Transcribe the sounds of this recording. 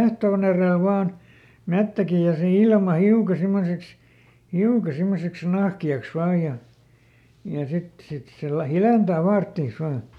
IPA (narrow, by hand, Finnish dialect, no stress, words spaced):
ehtoːn ereˑl ʋɑːn metːæki jɑ se ilmɑ hiukɑ simːoseks hiukɑ simːoseks nɑhkiɑks ʋɑː jɑ jɑ sit sit se læ hileˑntæː fɑːrtːiːs ʋɑː